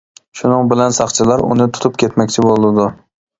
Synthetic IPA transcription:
ʃʊnɨŋbɪlansɑχt͡ʃʰɪlaɾʊ̰nɪt̪ʰʊ̥t̪ʰʊp̚kʲe̞t̪makʲt͡ʃʰɪbolˠd̪ɪd̪ʊ

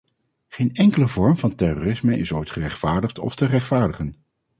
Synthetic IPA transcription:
χeːjnɛŋkələvɔɹmvɑntɛroːrɪsməʔɪ̰sojtχərɛχtfaːɹdəχtɔ̰ftərɛχtfaːɹdəχən

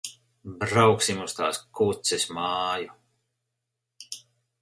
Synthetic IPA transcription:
bɾawksimust̪a̰ːskut̪sɛsmɑːju

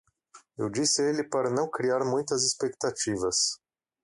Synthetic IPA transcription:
ewd͡ʒisɪelɪpaɾɐnɐ̃w̃kɾiaɾmũj̃t̪ɐzispek̚t̪at͡ʃivɐs

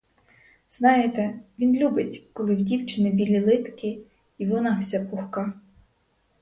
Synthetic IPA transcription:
z̥nɑjet̪ɛʋʲinlʲubɪtʲkɔlˠɪwdʲiwt͡ʃɪnɪbʲilʲilˠɪt̪kʲɪ | iʋɔnɑwsʲapʊxkɑ

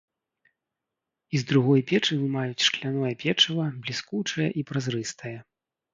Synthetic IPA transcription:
izd̪ɾuɣɔjpʲɛt͡ʂɨvɨmajut͡sʲʂklʲanɔjɐpʲɛt͡ʂɨvˠɐblʲiskut͡ʂɐjɐʔipɾazɾɨst̪ɐjɐ

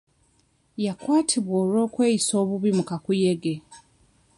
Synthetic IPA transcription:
jakwaːtʰiβwoːlwo̞ːkwe̞ːjiso̞ːβuβimukakuje̞ɡe̞

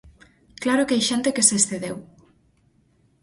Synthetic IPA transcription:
klaɾʊkajʃent̪ekeseːsθeðew

